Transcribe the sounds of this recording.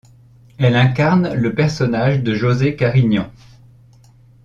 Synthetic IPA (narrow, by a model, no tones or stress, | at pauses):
ɛlɛ̃kaʁnləpɛʁsɔnaʒd̪əʒozekaʁiɲjɔ̃